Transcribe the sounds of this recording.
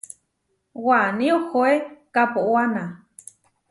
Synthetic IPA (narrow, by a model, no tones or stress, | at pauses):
waniohoekapoʔwana